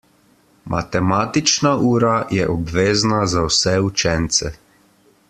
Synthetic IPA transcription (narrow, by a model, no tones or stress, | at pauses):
mʔa̰t̪ɛmaːt̪it͡ʃnauːɾajɛʔɔbʋeːznazawsɛut͡ʃɛnt̪sɛ